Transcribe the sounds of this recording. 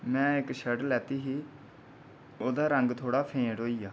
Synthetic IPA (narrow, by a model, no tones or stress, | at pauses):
mɛ̃ːɪkʃəɖlɛːt̪iːɦiː | oːd̪aːɾəŋɡt̪ʰoːɽaːpʰẽːɖɦoːiːjaː